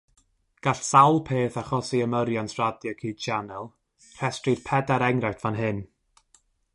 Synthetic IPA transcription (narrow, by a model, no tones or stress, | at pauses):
ɡ̥aɬsawlˠpʰeːθaχɔsiəməɾjansʰradjakʰiːd̥t͡ʃanɛlˠ | r̥ɛstrid̥pʰɛdaɾɛŋrawtʰv̥anɦɨn